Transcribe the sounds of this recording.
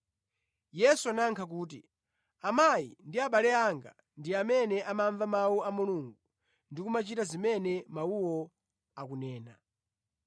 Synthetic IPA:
jɛsuanaŋkʰak̬uːt̬ḭ | amaḭndiaɓalɛaŋɡa̰ | ndiamɛnɛʔamaɱvamawuamuluŋɡu | ndikumat͡ʃitazimɛnɛmauwɔ | akunɛːna

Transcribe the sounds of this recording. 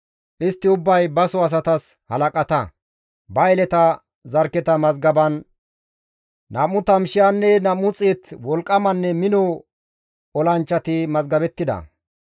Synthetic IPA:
ʔɪst̪ːɪʊbːɐjbɐsɔɐs̬ɐt̪ɐs | hɐlɐkʼɐt̪ɐ | bɐjlɛt̪ɐ | zɐɾkːɛt̪ɐmɐzɡɐbɐn | ɐmʊt̪ɐmʃɪjanːɛnɐmːʊt͡sʼet̪wɔlkʼːɐmɐnːɛmɪnɔ | ɔlɐnt͡ʃːɐt̪ɪmɐzɡɐbɛt̪ːɪd̪ɐ̰

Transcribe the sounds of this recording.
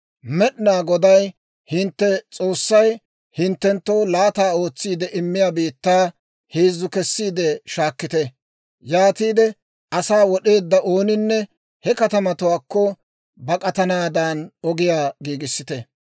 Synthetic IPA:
mɛɗnaːɡɔd̪ɐj | hɪnt̪ːɛt͡sʼo̞ːsːɐj | hɪnt̪ːɛnt̪ːo̞ːlaːt̪aːo̞ːt͡sːiːd̪ɛʔɪmːɪjaːbiːt̪ːaː | heːzːʊkɛsːiːd̪ɛʃaːkːɪt̪ɛ | jaːt̪iːd̪ɛ | ʔɐsaːwɔɗe̞ːd̪ːɐʔo̞ːnɪnːɛ | hɛkɐt̪ɐmɐt̪ʊwaːkːɔ | bɐkʼɐt̪ɐnaːd̪aːnɔɡɪjaːɡiːɡɪsːɪt̪ɛ

